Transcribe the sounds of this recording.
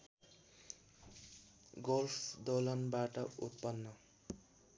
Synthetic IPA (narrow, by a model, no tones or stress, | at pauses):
ɡolfd̪olʌnbaʈʌṵt̪̚pʌnːʌ